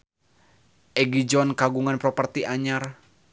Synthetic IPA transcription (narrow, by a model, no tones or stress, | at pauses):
ʔɛɡid͡ʒɔnkaɡuŋanpɾɔpərt̪iʔaɲar